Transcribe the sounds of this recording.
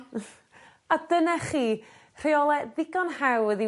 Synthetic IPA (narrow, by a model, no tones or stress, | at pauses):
adənaχiː | r̥eɔlˠɛðɪɡɔnhawəði